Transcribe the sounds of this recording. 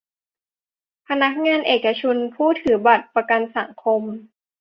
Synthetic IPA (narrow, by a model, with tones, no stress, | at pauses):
pʰa˧na˦˥k̚ŋaː˧˥˨nʔeː˨˩kːa˧t͡ɕʰo˧npʰuː˥˩t̪ʰɯː˩˦ba˨˩t̪̚pa˧ka˧nsa˩˦ŋkʰo˧m